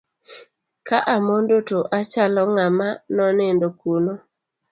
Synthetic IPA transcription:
kaʔamondotoʔat͡ʃalɔŋamanɔnɪndokuno

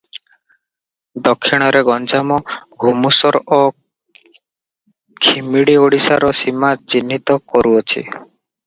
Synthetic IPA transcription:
d̪ɔkʰːiɽ̃ɔɾeɡɔnd͡ʒamɔɡʱumusɔɾo | kʰimiɽioɽisaɾɔsimat͡ʃinːit̪ɔkɔɾuɔt͡ʃʰḭ

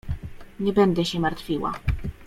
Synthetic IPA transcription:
ɲɛbɛnd̪ɛɕɛmaɾt̪fʲiwa̰

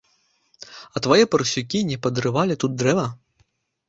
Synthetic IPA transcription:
ɐt̪ʋɐjɛpɐɾsʲʊkʲinʲipɐd̪ɾɨʋɑlʲɪt̪ut̪̚d̪ɾɛʋɐ

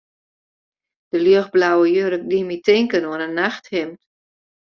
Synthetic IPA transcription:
d̥əlyəxblawəjøɾək̚dimitɪŋkənoənənːaxthɪmt

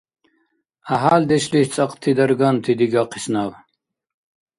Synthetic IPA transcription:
ɐɦaːld̪eɕliht͡sʼɐqt̪ʰid̪ɐɾɡaːnt̪ʰid̪iɡaːqʰi̥snaːw

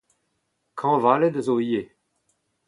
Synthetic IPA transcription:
kʰɑ̃ːvaled̪əzoije

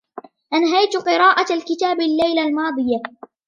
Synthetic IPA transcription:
ʔanɦajt̪qɨɾɑːʔaalkɪt̪aːbalːajlalmɑːd̪ˤɨja

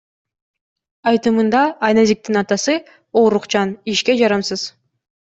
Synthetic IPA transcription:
ɑjt̪ɯmɯnd̪ɑːjnɑzik̚t̪inɑt̪ɑsɯ | oːɾuqt͡ʃɑniʃkʲed͡ʒɑɾɑmsɯz̥

